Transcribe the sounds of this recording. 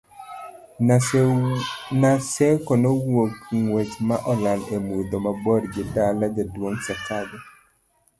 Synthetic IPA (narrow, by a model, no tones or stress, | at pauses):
nasɛkɔnɔwokŋwet͡ʃmaʔɔlanemud̪omabɔrɡɪdalad͡ʒadwoŋsakadɔ